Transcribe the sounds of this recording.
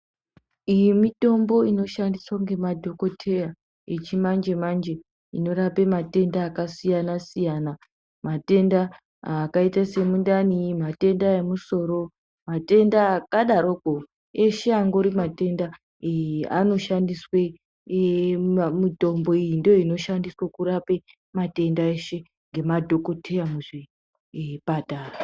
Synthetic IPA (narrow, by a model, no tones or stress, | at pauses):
ijimito̞mbo̞ino̞ʃandiswaŋɡe̞madʱo̞ko̞tʰe̞ja | et͡ʃimand͡ʒe̞mand͡ʒe̞ | ino̞ɾapemate̞ndaːkasijanasijana | mate̞nda | aːkaitase̞mundanimate̞ndae̞muso̞ɾo̞ | mate̞ndakaɗaɾoko | e̞ʃe̞aŋɡo̞ɾimate̞nda | ano̞ʃandiswe | muto̞mbo̞ijindojoino̞ʃandiswakuɾape | mate̞ndae̞ʃe̞ | ŋɡe̞madʱo̞ko̞tʰejamuʐi | pataːra